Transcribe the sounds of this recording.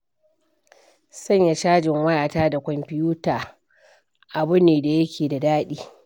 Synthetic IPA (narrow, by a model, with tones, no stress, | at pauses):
sɐ˦ɲja˨ʃaː˦d͡ʒɪ˨ŋwɐ˦jaː˨taː˦da˨kʷɔ˨mpɪ˦juː˦taː˨ | ʔa˨bʊ˦neː˨da˨jɐ˦kʲʰeː˨da˨daː˦ɗiː˦